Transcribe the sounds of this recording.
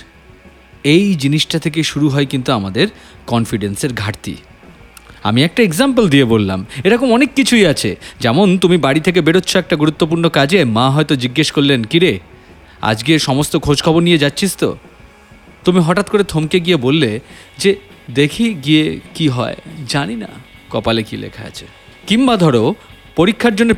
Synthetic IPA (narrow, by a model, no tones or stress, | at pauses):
ejd͡ʑiniʃʈat̪ʰek̬eʃuɾuɦɔekint̪uamad̪eɾ | kɔnfiɖenseɾɡʱaɾt̪ḭ | a̰miɛk̚ʈaeɡzampeld̪iebolːa̰meɾɔkʰomɔnekːit͡ɕʰujat͡ɕʰḛd͡ʑɛmont̪umibaɽit̪ʰek̬ebeɽotːɕʰoɛk̚ʈaɡuɾut̪ːop̬uɾnokad͡ʑemaɦɔet̪od͡ʑiɡːeʃkoɾlenkiɾe | a̰d͡ʑɡeʃɔmost̪okʰod͡ʑkʰɔbonijed͡ʑatːɕʰist̪o̰ | t̪umiɦɔʈat̪̚koɾet̪ʰomkeɡijebolːe | d͡ʑe | d̪ekʰiɡiekiɦɔ̰ed͡ʑanina̰ | kɔpalekilḛkʰa̰a̰t͡ɕʰḛ | kimbad̪ʱɔɽo | poɾikʰːaɾd͡ʑonːe